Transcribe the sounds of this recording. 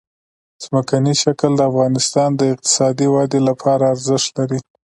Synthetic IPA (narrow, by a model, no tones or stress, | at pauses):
z̥məkaniʃakəld̪əafɣɑnɪst̪ɑnd̪əɪq̚t̪ɪ̥sɑd̪iwɑd̪elapʰɑɾaːɾzɪʃt̪laɾi